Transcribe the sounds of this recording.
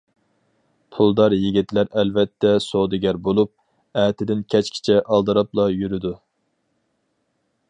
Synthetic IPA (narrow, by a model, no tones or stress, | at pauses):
pʰulˠd̪ɑɾjiɡʲit̪læɾɛlvɛt̪ʰːɛsod̪ɨɡʲæɾbolˠup̚ | ɛːt̪ʰɪd̪ɪnkʲʰɛt͡ʃkʲʰi̥t͡ʃʰɛʔɑlˠd̪ɨɾɑplˠɑjyɾyd̪u